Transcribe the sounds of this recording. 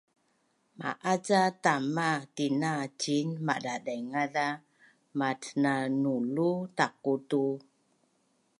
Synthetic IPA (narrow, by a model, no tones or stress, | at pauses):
ma̰ʔat͡satamatinat͡ʃinma̰ʔdadaŋada | matnanulutakutu